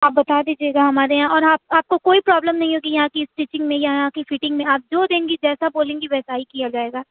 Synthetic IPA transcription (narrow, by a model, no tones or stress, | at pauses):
aːp̚bɐt̪aːd̪iːd͡ʒieːɡaɦɐmaːɾeɦãʔɔːɾaːp̚aːp̚kokoːipɾɔːbləmnɐɦĩɦoːɡijɐɦãkiɪsʈiːt͡ʃɪ̃ŋɡmẽjaɦɦãkifiːʈɪ̃ŋɡmẽaːp̚d͡ʒoːd̪ẽːŋɡid͡ʒɛːsaboːlẽːŋɡiʋɛːsaːikijad͡ʒaːeːɡaː